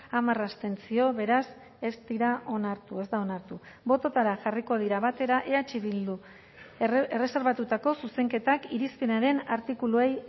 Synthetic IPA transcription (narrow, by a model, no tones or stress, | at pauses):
amarast̪e̞nt͡sio̞βe̞ɾas | e̞zd̪iɾaʔo̞naɾt̪ue̞zd̪ao̞naɾt̪u | bo̞t̪o̞t̪aɾaʝariko̞ð̞iɾaβat̪e̞ɾaʔe̞at͡ʃiβild̪u | ere̞se̞ɾβat̪ut̪ako̞suse̞ŋke̞t̪akiɾispinaɾe̞naɾt̪ikuluej